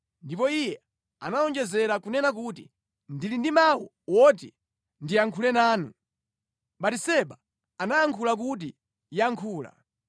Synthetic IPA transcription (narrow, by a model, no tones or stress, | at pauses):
ndipɔijɛ | a̰naɔnd͡ʒɛzɛɾakunɛnak̬utḭ | ndilindimawɔ | wɔt̬i | ndiaŋkʰulɛnaːnu | ɓatisɛɓa | anajaŋkʰulak̬ut̬i | jaŋkʰuːla̰